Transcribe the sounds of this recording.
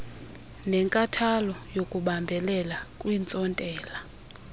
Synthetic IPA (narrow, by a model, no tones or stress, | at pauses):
nɛŋkʼatʰalɔjokʼuɓambʱɛlɛlakʼwint͡sʼɔntʼɛːla